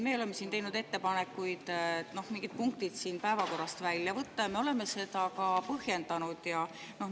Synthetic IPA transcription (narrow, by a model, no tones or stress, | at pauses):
me̞ːo̞lemːe̞siːnt̪ejnud̪e̞t̪ːe̞pɑne̞kːujd̪̥no̞hmiŋɡ̥id̪̥̚puŋkt̪id̪̥siːnpæevɑko̞rːɑst̪vælʲːjɑvɤt̪ˑːɑjɑme̞o̞le̞mːe̞se̞d̪̥ɑkɑpɤhje̞nd̪ɑnud̪̥jɑ | no̞h